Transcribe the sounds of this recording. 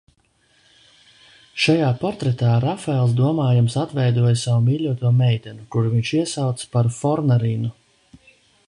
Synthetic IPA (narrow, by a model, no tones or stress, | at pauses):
ʃajaːpɔɾt̪ɾɛt̪aːɾafaɛlˠs̬d̪uɔmaːjamsat̪vɛjd̪uɔjsawumiːlʲuɔt̪uɔmɛjt̪ʲɛnukuɾuviɲt͡ʃiɛsawt̪spaɾfɔɾnaɾiːnu